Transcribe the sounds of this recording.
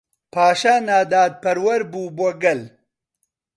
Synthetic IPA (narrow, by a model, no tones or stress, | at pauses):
pʰaːʃaːnaːd̪aːd̪̚pɐɾwɐɾbuːbɔɡɐl